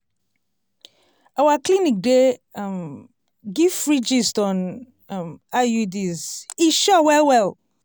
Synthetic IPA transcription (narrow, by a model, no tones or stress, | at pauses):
awaklinik̚dem | ɡiv̥ɹid͡ʒistɔ̃n | majudiziʃɔwɛlwɛl